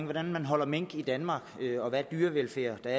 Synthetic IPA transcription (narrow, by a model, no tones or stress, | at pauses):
ŋʋɒd̥ænmænɦɒ̽l̰ɐmeŋ̰ɡ̥id̥ænmɑ̈ɡøɒ̽ʋæɐd̥yːɐʋelfeːɐd̥ɑ